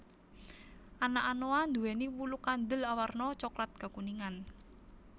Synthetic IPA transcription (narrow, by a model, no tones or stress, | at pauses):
ʔanaʔanoand̪uweniwulukand̪əlawarnɔt͡ʃɔklat̪̚ɡ̥a̤kuniŋan